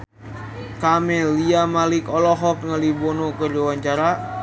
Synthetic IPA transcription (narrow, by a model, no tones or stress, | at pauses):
kamɛliamalikɔlɔɦɔk̚ŋəlibɔnɔkərd͡ʒuwaɲt͡ʃaɾa